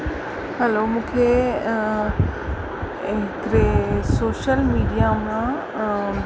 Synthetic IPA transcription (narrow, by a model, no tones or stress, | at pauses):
hɛlomũːkʰe | ɦɪkɾesoːʃəlmiːɖijamã